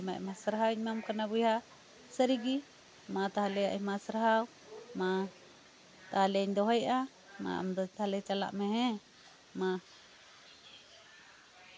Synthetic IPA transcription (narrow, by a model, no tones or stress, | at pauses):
ma̰ʔmasɾaɦawiɲmamkanabujha | səɾiɡi | mat̪aɦlɛja̰ʔɛmasɾaɦaw | ma | t̪ahlɛiɲd̪ɔɦɛjʔa | ma̰a̰md̪ɔt̪ahlɛt͡ʃala̰ʔmɛɦɛ | ma